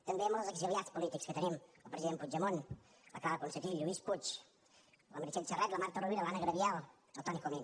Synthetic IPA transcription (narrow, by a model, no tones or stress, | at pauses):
t̪əmbeəmoləzəɡziliat͡spulit̪ikskət̪ənimə̰lˠpɾəziðempud͡ʒəmon | ləkaləkunsət̪iʒuisput͡ʃ | ləməɾt͡ʃɛt̪t͡ʃərɛt̪ləmaɾt̪əruβiɾəlanəɣɾəβjalˠ | əlˠt̪ɔnikomen